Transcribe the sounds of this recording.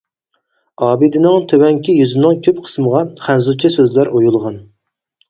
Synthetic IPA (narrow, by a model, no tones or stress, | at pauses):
ɑːbɨd̪ɪnɪŋt̪ʰøwɛŋkʲʰijyzɪnɨŋkʲʰøp̚qʰə̥sməʁɑχænzut͡ʃʰɛsøzlæɾʔojulˠʁɑn